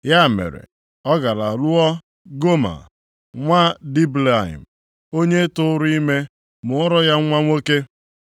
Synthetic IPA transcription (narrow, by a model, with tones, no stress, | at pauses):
ja˦˨mḛ˨ɾḛ˨ | ɔ˦ɡa˨la˨lʊ˦ɔ˦ | ɡo˦ma̰˨ | ŋʷa˦di˦bla˨ḭ˨m̩˨ | o˦ɲe˦tʊ˦ɾi˦me˦ | mʊ˨ʊ˦ɾɔ˦ja˦ŋʷa˦ŋʷo˦ke˦